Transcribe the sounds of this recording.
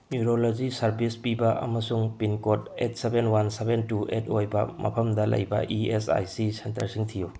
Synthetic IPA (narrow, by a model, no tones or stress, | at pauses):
njuɾolod͡ʒisɐɾbispibɐʔɐ̰mɐsuŋpinkot̚et̚sebenwansebʱentuʔetʰojbɐmʔɐ̰pʰɐmdɐlɐ̰jbɐ̰ʔiesa̰jsisentɐɾsiŋtʰijo